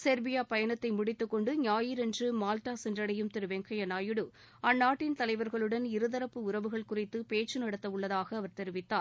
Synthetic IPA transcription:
sɛɾbɪjaːpɐjɐnɐt̪ːɐɪmʊɽɪt̪ːɯkːɔɳɖɯɲaːjɪɾɛndrɯmaːlʈaːsɛndrɐɽɐjɯmt̪ɪɾɯʋɛŋkɐjɐnaːjɯɽɯ | ɐnːaːʈːɪnt̪ɐlɐɪʋɐɾɣɐɭɯɽɐnɪɾɯðɐɾɐpːɯʊɾɐʋɯɣɐɭkʊrɪt̪ːɯpeːt͡ʃːɯnɐɽɐt̪ːɐʋɯɭːɐðaːɣɐːʋɐɾt̪ɛɾɪʋɪt̪ːaː

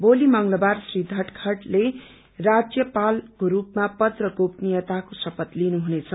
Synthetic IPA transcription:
bolimʌŋlʌbarsrid̪ʱʌʈkʰʌʈle | rad͡zjʌpalkoɾupmapʌd̪rʌɡopnijʌt̪akosʌpʌt̪linuɦunet͡sʰʌ

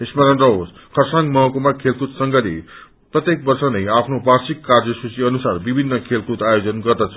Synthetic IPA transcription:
esmaɾʌnrʌɦos | kʰʌrsaŋɡmʌɦkomakʰelkut̪sʌŋɡʌlḛ | prʌt̪jek̚bʌrsʌnʌjapʰnobasikːard͡zʌsut͡siʌnusarbibʱinːʌkʰelkut̪ajod͡zʌnɡʌrd̪ʌt͡sʰʌ̥

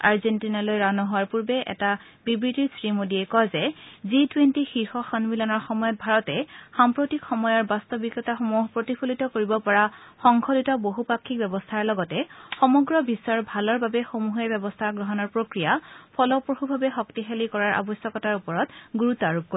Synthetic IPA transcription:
a̰ɹzentinalojɹanɔɦowaɹpuɹbɛʔɛ̰ta | bibɹitiɹsɹimodiɛkɔzɛzitwentixiɹxɔxanmilɔnɔɹxɔmɔjɔt̚bʱaɹɔtɛxampɹotikxɔmɔjɔɹbastɔbikːɔtaxomuɦpɹotipʰulitɔkoɹibɔpɔɹaxɔŋkʰolitɔboɦupakʰːik̚bɛbɔstʰaɹlɔɡɔtɛxɔmɔɡɹɔbisɔɹbʱalɔɹbabɛxomuɦebɛbɔstʰaɡɹɔɦɔnɔɹpɹokɹijapʰɔlɔpɹohubʱabɛxɔktixelikɔɹaɹʔa̰bɔsjɔkɔtaɹupɔɹɔtɡuɹutaɹuk̚kːo

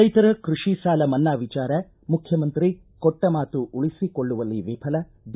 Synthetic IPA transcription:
ɐjt̪ɐɾɐkɾuʂisaːlɐmɐnːaːʋit͡ʃaːɾɐ | mukʰjɐmɐnt̪ɾi | kɔʈːɐmaːt̪uʔuɭisikoɭːuʋɐlːiʋiːpʰɐlɐ | d̪

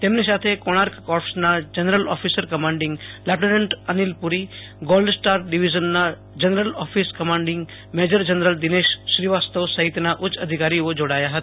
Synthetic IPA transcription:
t̪eːmnisaːt̪ʰekoñaːɾkkɔːpsnad͡ʒənɾəlɔ̰ːpʰiːsəɾkɐmãːɳɖɪ̃ŋɡlaʈenə̃ɳʈənilpʊɾi | ɡoːlɖsʈaːɾɖiʋid͡ʒənːa | d͡ʒənɾəlɔːpʰiskɐmãːɳɖɪ̃ŋɡ | meːd͡ʒəɾd͡ʒənɾəld̪ɪneːʃʃɾiʋaːst̪əʋsɐɦit̪naʔʊt͡ʃːəd̪ʱikaːɾiod͡ʒoɽaːjaɦət̪ː

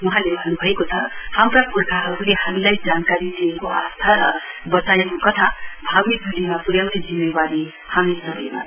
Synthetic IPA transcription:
wʌɦãlebʱʌnːubʱʌekot͡sʰʌhamrapurkʰaɦʌɾulehamilajd͡zankaɾid̪iekoa̰st̪ʰaɾʌbʌt͡sajekokʌt̪ʰabʱaɡmit̪̚ɡʱulimapuɽjawned͡zimːebaɾi | hamisʌɡʌjma̰

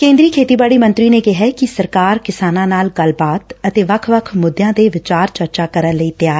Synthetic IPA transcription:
kẽːnd̪ɾiːkʰeːt̪iːbaːɽiːmə̃nt̪ɾiːneːkɪɦɛːkɪsəɾkaːɾkɪsaːnãːnaːlɡəlbaːt̪ət̪eːʋəkʰʋəkʰmʊd̪jãːd̪eːʋɪt͡ʃaːɾt͡ʃəɾt͡ʃaːkəɾənləiːt̪jaːɾ

